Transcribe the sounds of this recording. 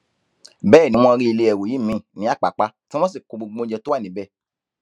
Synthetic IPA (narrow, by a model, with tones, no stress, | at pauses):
bɛ˦˨nĩ˦m̃ɔ̃˧ɾi˦i˧le˧ɛ˨wo˨ji˨˦mĩ˨˦˨nĩ˨˦a˦˨k͡pa˨k͡pa˧˦tĩ˦mɔ̃˦s̬i˦˨ko˨˧ɡ͡bo˧ɡ͡bõ˦d͡ʒɛ˧to˦wa˦˨nĩ˨˦bɛ˦˨